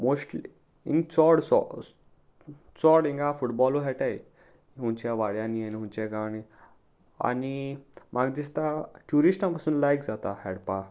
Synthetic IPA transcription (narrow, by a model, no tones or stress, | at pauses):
mosʈli | ḭ̃ŋɡt͡sɔɽsɔ̰ | t͡sɔɽĩŋɡafuʈbɔluɦɛʈaj | ɦũnt͡ɕjaʋaɽjãnienɦũnt͡ɕaɡaɽ̃i | a̰nimaɡd̪ist̪aʈjuɾisʈãpasuːnlajkd͡zat̪ahɛɽpa